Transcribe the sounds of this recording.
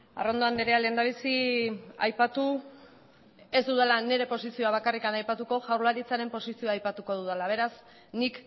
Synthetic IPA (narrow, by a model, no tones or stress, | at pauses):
a̰ro̞nd̪oand̪eɾeale̞ːnd̪aβ̞isia̰jpat̪u | e̞zd̪uðalane̞ɾe̞po̞sisio̞aβ̞akarikanajpat̪uko̞ʝawɾlaɾit͡saɾe̞mpo̞sisio̞aːjpat̪uko̞ðuðalaβ̞e̞ɾas | nik